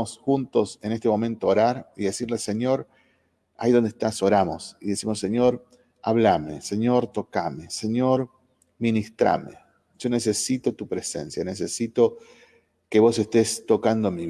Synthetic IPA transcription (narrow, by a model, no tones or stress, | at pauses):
osxunt̪o̞se̞nest̪emõ̞mẽnt̪oːɾaɾiðesiɾlese̞ɲo̞ɾ | aiðo̞nd̪ehst̪aso̞ɾamo̞siðe̞simo̞sːeɲo̞ɾ | a̰βlamese̞ɲo̞ɾt̪o̞kame̞seɲo̞ɾ | minist̪ɾa̰mḛ | ʒ̥o̞ne̞se̞sit̪o̞t̪upɾesḛnsjanes̬esit̪o̞ | ke̞βo̞se̞st̪est̪o̞kand̪omi